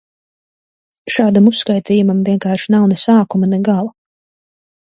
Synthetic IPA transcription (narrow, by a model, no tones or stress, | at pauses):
ʃaːd̪amusːkajt̪iːjumamvʲiɛŋkaːɾʃnawnɛsaːkumanɛɡalˠa